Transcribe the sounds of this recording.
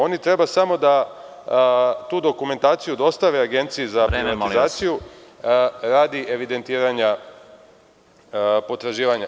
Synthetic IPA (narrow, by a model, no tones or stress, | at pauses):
o̞nit̪ɾe̞basamo̞d̪a | t̪uːd̪o̞kume̞nt̪aːt̪sijud̪o̞st̪aʋeaɡe̞nt̪sijizapiat̪izaːt̪siju | ɾaːd̪iʔe̞ʋid̪e̞nt̪iːɾaɲa | po̞t̪ɾaʒiːʋaɲa